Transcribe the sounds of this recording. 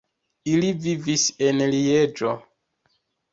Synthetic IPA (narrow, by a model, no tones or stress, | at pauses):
ilivivisenlied͡ʒo